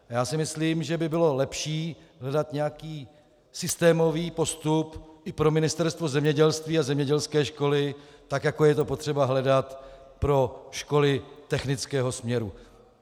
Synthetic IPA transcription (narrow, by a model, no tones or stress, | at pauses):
jaːsɪmɪsliːmʒɛbɪbɪlo̞lɛpʃiːɦlɛdat̪ɲɛjakiː | sɪst̪ɛːmo̞viːpo̞st̪upʔɪpɾo̞mɪnɪst̪ɛɾst̪vo̞zɛmɲɛɟɛlst̪viːazɛmɲɛɟɛlskɛːʃko̞lɪ | t̪akjako̞jɛt̪o̞pot̪r̝̥ɛbaɦlɛdat̪ | pɾo̞ʃko̞lɪt̪ɛxnɪt͡skɛːɦo̞smɲɛɾu